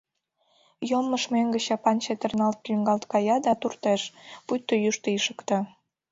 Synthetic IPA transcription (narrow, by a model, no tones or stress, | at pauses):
jomːəʃmeŋɡə̆t͡ɕɑpɑnt͡ɕet̪ə̆rnɑlt̪̚kyŋɡɑlt̪kɑjɑd̪ɑt̪urt̪eʃput̪ːojuʃt̪əiʃə̥kt̪ɑ